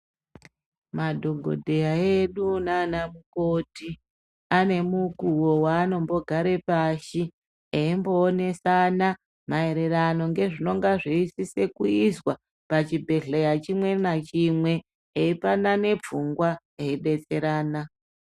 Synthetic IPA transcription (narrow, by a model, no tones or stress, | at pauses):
madʱo̞ɡʱo̰dʱe̞jaeɗunaːnamukoti | ane̞mukuwo̞waːno̞mbo̞ɡʱaɾe̞paʃi | eimbo̞ːne̞sana | mae̞ɾe̞rano̞ŋɡe̞ʐino̞ŋɡaʐiisise̞kuizwa | pat͡ʃibʱe̞ɮejat͡ʃimwe̞nat͡ʃimwe̞ː | ipanane̞p͡fuŋɡwa | eiɗe̞t͡se̞ɾaːna